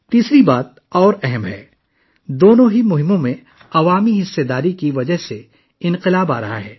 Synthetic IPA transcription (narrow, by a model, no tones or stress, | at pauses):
t̪iːsɾibaːt̪̚ | ɔːɾɛɦɛmɦɛ̰ː | d̪oːnõɦimʊɦɪmõmẽ | ɐʋaːmiɦɪsːed̪aːɾikiʋɐd͡ʒəɦse | ɪ̃nqɪlaːba̰ːɾɐɦa̰ɦɛː